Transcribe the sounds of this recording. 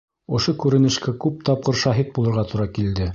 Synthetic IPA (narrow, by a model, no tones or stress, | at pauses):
ŏʃokʉɾɘ̆nɘ̆ʃkækʉp̚t̪ɑp̚qɤɾʃɑɦit̪̚bulˠɤ̆ɾʁɑt̪uɾɑkild̪ɘ